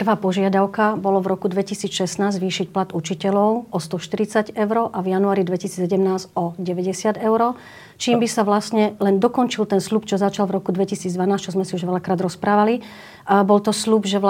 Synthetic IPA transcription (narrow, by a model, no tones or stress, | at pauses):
pr̩ʋaːpɔʒɪad̪aʊkabɔlɔvɾɔkud̪ʋɛcisiːt͡sʃɛsnaːzzʋiːʃicplat̪ut͡ʃicɛlɔʊɔst̪ɔʃt̪iɾit͡saɟɛʊɾɔʔavjanuaːɾid̪ʋɛcisiːt͡ssɛɟɛmnaːzɔɟɛʋɛɟɛsɪad̪ɛʊɾɔ | t͡ʃiːmbisaʋlasɲɛlɛnd̪ɔkɔnt͡ʃilt̪ɛnslupt͡ʃɔzat͡ʃalvɾɔkud̪ʋɛcisiːd͡zd̪ʋanaːst͡ʃɔzmɛsiuʒʋɛlakɾaːd̪ɾɔspɾaːʋali | bɔlt̪ɔslubʒɛ